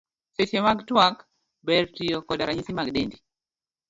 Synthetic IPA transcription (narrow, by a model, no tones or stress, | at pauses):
setemaɡtwak | bɛɾtijɔkɔdaɾaɲisimaɡdendi